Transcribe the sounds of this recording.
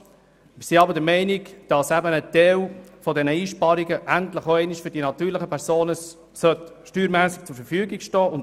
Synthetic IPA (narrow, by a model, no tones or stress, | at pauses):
mɪsiɑbədəmɛɪnikd̥ɑsæbənət̪ɛlfɔdɛnəiːʃpɑɾiɡəʔæntləχoɛɪniʃfʏd̥inɑtyːɾləχəpʰɛɾsoːnə | sœtʃtyːɾmæsət͡sʊɾfəɾfyːɡiɡʃtɔːʊn